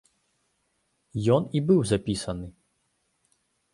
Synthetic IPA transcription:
jɔnibɨwzapʲisɐnɨ

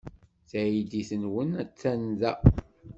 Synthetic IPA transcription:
θæjid̪iθənwənæt͡sːænðæ

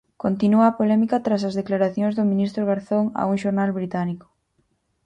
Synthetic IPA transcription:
kont̪inuɐːpolɛmikɐt̪ɾasɐzðeklaɾaθjoŋzðomĩnist̪ɾoɣ̞aɾθoŋa̰uŋʃoɾnalβɾit̪aniko̥

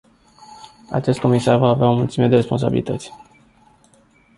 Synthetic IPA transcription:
a̰t͡ʃe̞st̪̚ko̞misarvaːveaomult̪simed̪e̞re̞spo̞ns̬a̰bḭlit̪ət̪sʲ

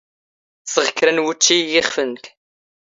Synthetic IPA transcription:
səʁəkːɾənwut͡ʃːijɪχfənk̪

